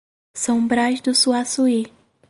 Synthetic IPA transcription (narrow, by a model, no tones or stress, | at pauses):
sõbɾajzd̪ʊsuasui